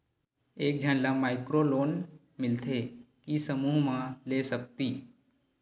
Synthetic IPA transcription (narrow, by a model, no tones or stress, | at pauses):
eːk̚d͡ʒʱə̃nlamaːɪkɾoloːn | mɪlt̪ʰe | kisəmuːɦmãleːsək̚t̪iː